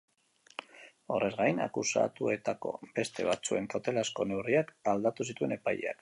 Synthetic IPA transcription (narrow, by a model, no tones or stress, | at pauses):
o̞re̞zɣajna̰kusa̰t̪ue̞t̪ako̞̰be̞st̪e̞β̞at͡sue̞nt̪ot̪e̞lasko̞ne̞wriakald̪at̪usit̪ue̞ne̞pajea̰k